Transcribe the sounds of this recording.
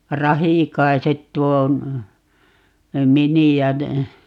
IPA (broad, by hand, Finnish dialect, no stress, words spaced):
rɑhiˑkɑiset tuo miniæ ne